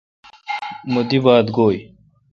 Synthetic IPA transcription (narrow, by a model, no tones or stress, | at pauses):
mud̪iʋaːd̪ɡoːj